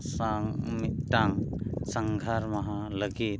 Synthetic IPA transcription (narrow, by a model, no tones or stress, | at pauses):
saŋmit̪̚ʈaŋsəŋɡʱaɾmɐɦaləɡit̪̚